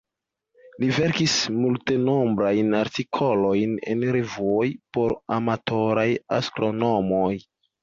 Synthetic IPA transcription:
live̞ɾkismulte̞no̞mbɾajnaɾtikʰo̞lo̞jnḛnɾevuojpo̞ɾamatʰo̞ɾaja̰stɾo̞no̞moj

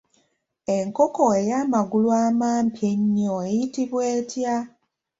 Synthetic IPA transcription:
e̞ŋko̞koe̞jaːmaɡulwaːmaːmpjeɲːoejitiβweːtja

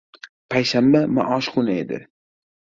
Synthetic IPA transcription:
pʰajʃambama̰ʔɒːʃqʰʊned̪ɪ̰

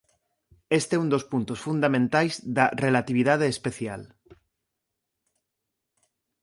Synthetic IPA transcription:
est̪eund̪ospunt̪osfund̪amẽnt̪ajzðarelat̪iβ̞ið̞að̞eːspeθjal

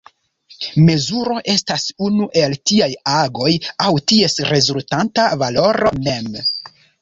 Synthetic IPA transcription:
me̞zuɾo̞ʔe̞stasunuʔe̞ltiajaɡo̞jawtie̞sɾe̞zultantavalo̞ɾo̞me̞m

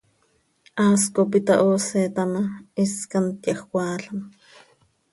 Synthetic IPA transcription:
ʔaːskop̬it̪ɑʔoːset̪amɑiskant̪jɑxwʷɑːɬam

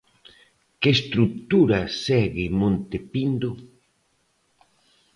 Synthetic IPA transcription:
keːst̪ɾuk̚t̪uɾɐsɛɣɪmõnt̪epind̪o

